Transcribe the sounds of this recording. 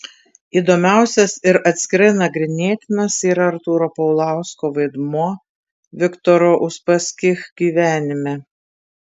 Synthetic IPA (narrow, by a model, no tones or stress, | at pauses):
iːd̪oːmʲæˑʊsʲɛsɪɾɐt̪ʲsʲkʲɪɾɐɪnɐɡɾʲɪnʲeːt̪ʲɪnɐsiːɾɐɾt̪uːɾopɐʊlˠɑˑʊskoːʋɐɪd̪muɔ | ʋʲɪkt̪ɔɾoːʔʊʃpɐsʲkʲɪxɡʲiːʋʲæːnʲɪmʲɛ